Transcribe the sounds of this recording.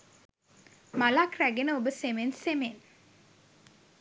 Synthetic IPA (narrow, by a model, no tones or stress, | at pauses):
malakræɡenəobəsemensemen